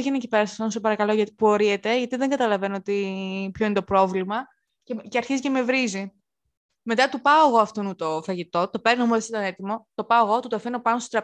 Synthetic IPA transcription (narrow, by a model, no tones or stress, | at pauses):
ʝenecipe̞ɾɐsɐ̥ft̪onsepɐɾɐkɐloʝɐt̪i̥puo̞ɾiet̪e̞ʝɐt̪iðeŋɡɐt̪ɐlɐvenoot̪ipçoinet̪o̞pɾo̞vlimɐ | ceceɐɾçiziceme̞vɾizi | me̞t̪ɐt̪upɐo̞eɣo̞ɐft̪onut̪ofɐʝit̪o̞t̪o̞peɾnomuðesit̪ɐnet̪imo̞t̪o̞pɐoɣo̞t̪ut̪ɐfeno̞pɐnosot̪ɾɐ